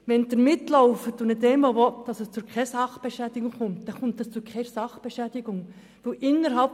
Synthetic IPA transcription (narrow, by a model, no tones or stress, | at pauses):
ʋɛnd̪əɾmɪtlɔʊfətʊnɪd̪ɛmʋoʋɔtd̥ɑsɛst͡sʊkʰɛsɑχb̥eʃæːd̥̪ɪɡʊŋχʊmt̪d̥̪ɛχʊmt̪ɑst͡sʊkʰɛɪɾsɑχb̥eʃæːd̥̪ɪɡ̥ʊŋ | ʋɪlʔɪnːəɾɦɑlp